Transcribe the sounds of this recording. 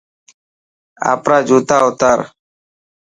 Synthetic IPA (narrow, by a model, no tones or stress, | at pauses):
a̰ːpɾaːd͡ʒuːt̪aːʊt̪aːɾ